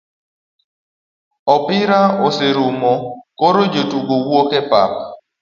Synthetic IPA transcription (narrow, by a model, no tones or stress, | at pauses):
ɔpɪɾaɔseɾumɔkoɾod͡ʒotuɡowokɛpa̰p̚